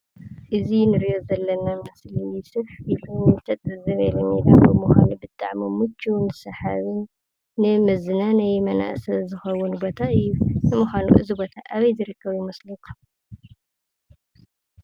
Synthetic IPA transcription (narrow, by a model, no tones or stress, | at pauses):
ʔɨzinɨɾijozɐlːɐnamɨslijsɨβħiluɨt̪ʰɐt̪ʼɐzɐβelomjila̰kɐmuxʷa̰nubɨt̪ʼa̰ʕmomɨt͡ʃʰːunɨsɐħaβɨnː | ɨmɐzɨnanajmɐna̰ʔsɐzɨxɐwʊnbot̪ʰaɨjːunɨmɨxanṵʔɨ̰zibo̞t̪ʰaʔaβɐjzɨɾɨkʰːɐβjɪmɐslukʰʼ